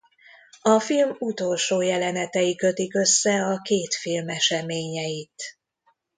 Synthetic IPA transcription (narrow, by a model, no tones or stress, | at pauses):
ɒfilmut̪o̞lʃoːjɛlɛnɛt̪ɛjikø̞t̪ikø̞sːɛɒkeːt̪filmɛʃɛmeːɲɛjit̪